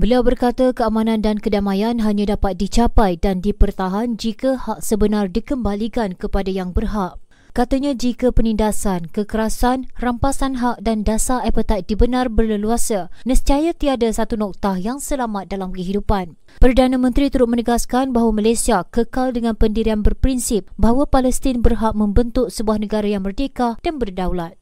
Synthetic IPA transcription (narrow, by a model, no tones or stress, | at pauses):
bəliawbərkat̪akəamãnãndankədamajanɦaɲãdapat̪̚dit͡ʃapajdandipərt̪aɦand͡ʒikahaʔ̚səbənardikəmbalikankəpadajaŋbərɦaʔ | kat̪aɲãd͡ʒikapənindasankəkəɾasanrampasanɦaʔ̚dandasaɛpət̪aj̚dibənarbərləluasanəstajat̪iadasat̪unɔk̚t̪ahjaŋsəlamat̪̚dalamkəɦidupan | pərdanãmə̃nt̪ɾit̪uɾʊt̪̚mə̃nəɡaskanbaɦwamalasiakəkaldəŋãnpəndiɾianbərpɾinsɪp̚baɦwapalɛst̪ɪnbərɦaʔ̚mə̃mbənt̪ʊʔ̚səbuahnəɡaɾajaŋbərdəkahd̥anbərdawlat̪̚